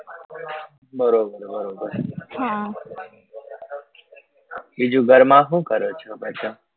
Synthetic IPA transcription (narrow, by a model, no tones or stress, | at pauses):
bəɾoːbəɾbəɾoːbəɾɦã | iːd͡ʒuːɡəɾmãːɦũːkəɾoːt͡ʃʰɔbət͡ʃoː